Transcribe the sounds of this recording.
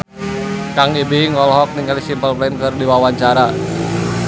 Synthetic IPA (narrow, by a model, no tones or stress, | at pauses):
kaŋibeŋɔlɦɔk̚niŋalisimpəlplankɨrdiwawaɲt͡ʃaɾa